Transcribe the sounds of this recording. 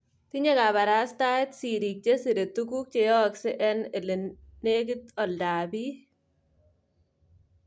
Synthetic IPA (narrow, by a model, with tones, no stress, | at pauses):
t̪i˦ɲe˦ka˨βa˨ɾa˦st̪a˦ɪ˦t̪si˨ɾi˨k̚t͡ʃe˦si˨ɾe˨t̪ːuku˦k̚t͡ʃe˨jɔ˦ksɛ˦ʔɛ˦nɛ˨le˨nne˦k̬i˦t̪ɔ˨ldaː˨bi˦